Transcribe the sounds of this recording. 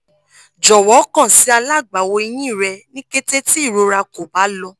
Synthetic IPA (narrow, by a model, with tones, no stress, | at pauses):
d͡ʒɔ˨wɔ˨˦kã˦˨si˨˦a˧la˦˨ɡ͡ba˨wo˧i˧j̃ĩ˦˨ɾɛ˧nĩ˦ke˦te˦ti˦i˦˨ɾo˧˦ɾa˧ko˨ba˨˦lɔ˧˦